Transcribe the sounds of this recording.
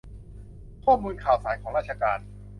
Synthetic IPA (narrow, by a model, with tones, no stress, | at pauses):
kʰɔː˥˩mːuː˧nkʰaː˨˩wsaː˩˦nkʰɔː˩˦ŋɾaː˥˩t̪̚t͡ɕʰa˧kaː˧n